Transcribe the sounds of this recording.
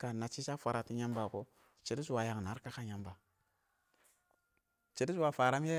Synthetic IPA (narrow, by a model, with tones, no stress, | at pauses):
ka˨na˨t͡ʃi˦sa˦fʷa˨ɾa˨ti˦ɲa˦mba˨ko˦ | t͡ʃi˨ɾi˦su˨wa˨ja˨ŋ˨na˨˦ɾka˦ka˦ɲa˦mba˨ | t͡ʃi˨ɾi˦u˦wa˨fa˨ɾa˦m˦je˦